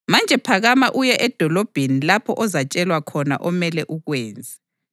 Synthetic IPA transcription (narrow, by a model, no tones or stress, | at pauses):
mand͡ʒʱɛpʰaɣamaʔujɛʔɛd̥ʱɔlɔb̥ʱenilapʰɔʔɔzat͡ʃʼɛlwakʰɔna̰ʔɔmɛlɛʔuɣwɛːnd͡zʱɛ̥